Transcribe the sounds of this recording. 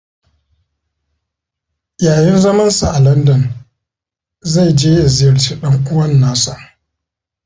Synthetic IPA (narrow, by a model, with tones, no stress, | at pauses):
jaː˨jɪ˦nzɐ˦mɐ˦nsa˨ʔa˨lɐ˦ndɐ˨n | za˦˨jd͡ʒeː˦ja˨zɪ˦jɐ˨rt͡ʃiː˦ɗɐ˦ŋʔʊ˦wɐ˦nːaː˦sa˦˨